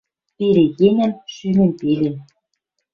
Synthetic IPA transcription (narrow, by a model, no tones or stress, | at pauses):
pelejeŋæ̆mʃymɘ̆npelen